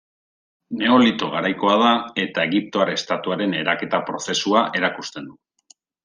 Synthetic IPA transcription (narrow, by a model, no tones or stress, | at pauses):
ne̞o̞lit̪o̞ɣ̞aɾajko̞að̞ae̞t̪ae̞ɣip̚t̪o̞aɾest̪at̪uaɾe̞ne̞ɾake̞t̪apɾo̞θe̞suaʔe̞ɾakust̪e̞nd̪u